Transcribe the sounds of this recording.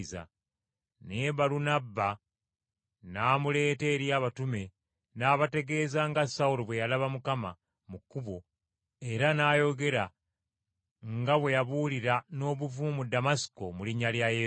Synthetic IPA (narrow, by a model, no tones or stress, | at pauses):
za̰ | neβalunabːa | naːmule̞ːte̞ːɾjaːβatume̞ | naːβate̞ɡe̞ːzaŋɡasauloβwe̞jalaβamukama̰ | mukːuβo̞ | e̞ɾanaːjo̞ɡe̞ɾa | ŋɡaβwe̞jaβuliɾano̞ːβuvumumudamasi̥ko̞muliɲaljaje